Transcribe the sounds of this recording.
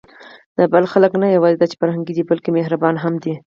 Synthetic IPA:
d̪̥əbalxaləknajawɑzid̪at͡ʃe̥faɾɦaŋɡid̪ibalkemeɦɾabɑnɦamd̪i

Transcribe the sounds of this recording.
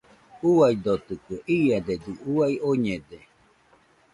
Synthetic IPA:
uajd̪ot̪ɯkɯʔiad̪ed̪ɨʔuaioɲed̪e

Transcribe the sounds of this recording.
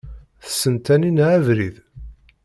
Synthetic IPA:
θə̥sːənt̪æninʕævɾið

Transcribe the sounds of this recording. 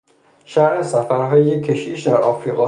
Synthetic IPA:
ʃæɾʔesæfæɾɦɒːjekʰːeʃiːʃd̪æɾʔɒfɾiːɣɒː

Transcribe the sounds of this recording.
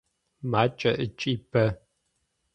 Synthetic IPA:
maːt͡ʃʼɐʔɨt͡ʃʼiːbʰɐ

